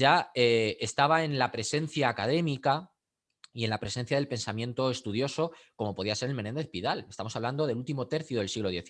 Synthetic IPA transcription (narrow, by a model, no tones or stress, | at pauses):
aeest̪aβae̞nlapɾe̞se̞n̟θjaːkaðe̞mika | ie̞nlapɾe̞se̞nθjaðelpe̞nsamje̞nt̪oe̞st̪uð̞jo̞so̞ko̞mo̞po̞ðiase̞ɾelmene̞nd̪e̞θpiðale̞st̪amo̞saβland̪o̞ðe̞lult̪imo̞t̪e̞ɾθjoðe̞lsiɣlo̞ðje̞θ